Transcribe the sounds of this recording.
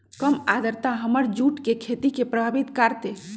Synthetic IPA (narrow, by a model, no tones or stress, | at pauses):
kəmad̪ʱəɾt̪aɦəməɾd͡ʒuʈkekʰet̪ikepɾəbʱabit̪kaɾt̪e